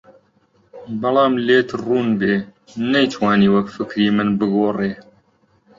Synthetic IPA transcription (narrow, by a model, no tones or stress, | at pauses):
bɐlˠɑːmleːt̪ruːnbeː | nɐjt̪ʰwaːniːwɐkfɨkɾiːmɨnbɨɡoːreː